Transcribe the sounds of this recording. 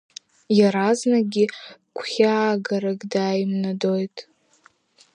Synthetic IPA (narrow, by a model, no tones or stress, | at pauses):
jaɾaznaɡʲɪkʷʰχʲaɡaɾaɡʼdaːjimnado̞jtʼ